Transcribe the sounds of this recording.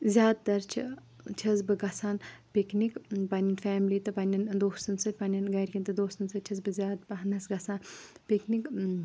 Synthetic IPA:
zʲjaːd̪̚t̪ɐɾt͡ʃʰḭ | t͡ʃʰɐzbɨɡɐsaːnpiknikpɐnʲinfɛːmliːt̪ɨpɐnʲɐnd̪oːst̪ɨnsɐtʲpɐnʲɐnɡɐːɾʲkʲint̪ɨd̪oːst̪ɨnsɨt͡ʃʰɐzbɨzʲaːd̪̚bɐɦɐnɐsɡɐsaːnpiknik

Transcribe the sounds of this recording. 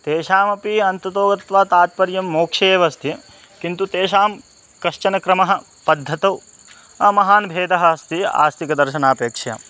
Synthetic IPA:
t̪eːʃaːmɐpiɐnt̪ɐt̪oːɡɐt̪t̪ʋaːt̪aːt̪̚pɐɾjɐmːoːkʂeːʋɐst̪ʰi | kint̪ut̪eːʃaːm | kɐʃt͡ʃɐnɐkɾɐmɐɦɐ̆ | pɐd̪ʱːɐt̪ɐw | ɐmɐɦaːnbʱeːd̪ɐɦɐst̪ia̰ːst̪ʰikɐd̪ɐɾʃɐnaːpeːkʂɐjɐ̰

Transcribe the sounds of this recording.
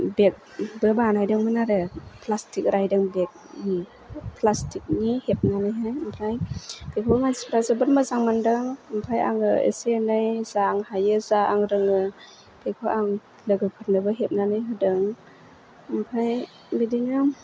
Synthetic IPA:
bek̚ | bɯbanhajdɯŋmɯnaɾɯpʰlastʰik̚ɾajdɯŋbek̚ | pʰlastʰik̚nihep̚nanɯjɦajmpʰajkʰajkʰowmasip̚ʰɾasɯbɯt̚mazaŋmandɯŋmpʰaja̰ŋɯḛsnɯjz̥aːŋhajɯzaʔaŋɾɯŋɯ | kʰajkʰoʔaŋ | lɯɡɯpʰat̚nɯbɯɦep̚nanɯjɦɯdɯŋ | mpʰaj | bidinɯ

